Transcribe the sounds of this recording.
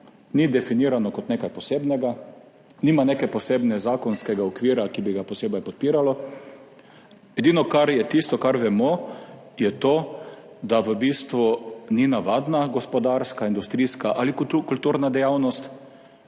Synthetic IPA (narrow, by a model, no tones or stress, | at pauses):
nid̪ɛfiniːɾanɔkɔt̪neːkajpɔseːbnɛɡa | niːmanekɛjpɔseːbnɛzaːkɔnskɛɡaɔkʋiːɾakibiɡapɔseːbajpɔt̪̚piːɾalɔ | ɛd̪iːnɔkaɾjɛt̪ist̪ɔkaɾʋɛmɔ | jɛt̪oː | d̪aʋəbiːst̪ʋuninaʋaːd̪naɡɔspɔd̪aɾskaind̪ust̪ɾiːskaʔalikkult̪uːɾnad̪ɛjawnɔst̪